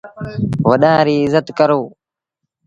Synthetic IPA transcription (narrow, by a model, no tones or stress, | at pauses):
ʋəɗãːɾiːɪzət̪kəɾoː